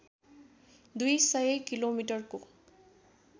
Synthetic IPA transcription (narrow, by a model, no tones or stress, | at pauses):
d̪ujsajekilomiʈəɹko